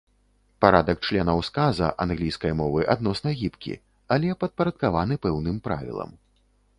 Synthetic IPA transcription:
paɾad̪ɐk̚t͡ʂlʲɛnɐwskazɐ̰ʔanɣlʲijskɐjmɔvɨʔad̪̚nɔsnɐɣʲipkʲḭ | alʲɛpɐt̪̚pɐɾɐt̪̚kavanɨpɛwnɨmpɾa̰vʲḭlˠɐ̰m

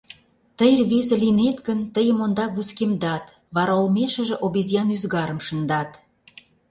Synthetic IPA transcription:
t̪əjrβezĕlinet̪ɣə̆nt̪əjə̆mond̪ɑɣuskemd̪ɑt̪ | βɑɾɑlmeʃə̆ʒĕʔoβizjɑnyzɣɑɾə̆mʃə̆nd̪ɑt̪

